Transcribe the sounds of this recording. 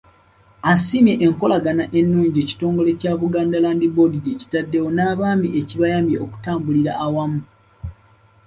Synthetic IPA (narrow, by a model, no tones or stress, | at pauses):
asimje̞ʔeŋko̞laɡanaʔe̞nːuːɲɟeːci̥to̞ːŋɡo̞le̞caːβuɡaːndalaːndibo̞diɟeci̥tadːe̞wo̞naːβaːmbiʔe̞ciβajaːmbjeʔoku̥taːmbuliɾaʔːwamu